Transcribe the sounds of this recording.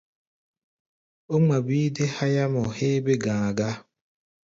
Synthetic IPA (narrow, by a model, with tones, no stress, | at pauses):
o˦ŋ͡ma˨bi˦de˦ha˦ja˦mʊ˨he˦be˦ɡã˨a˨ɡa˦